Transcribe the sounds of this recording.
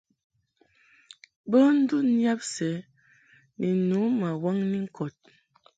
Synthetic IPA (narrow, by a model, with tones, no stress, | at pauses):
bə˦n̩˦du˦nja˦p̚sɛ˨˦ | ni˨nu˨˦ma˨wa˦ŋni˦ŋ̩˦kʰɔ˨t̚